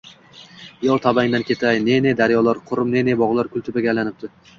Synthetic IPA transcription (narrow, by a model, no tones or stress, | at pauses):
jɒlˠt̪ʰabaŋd̪ankʲʰe̞t̪ʰajne̞ne̞d̪aɾjɒlˠaɾqʰʊɾʊmne̞ne̞bɒʁlˠaɾkʲʰʊlˠt̪ʰɪbaɡʲalanɪp̚d̪ɪ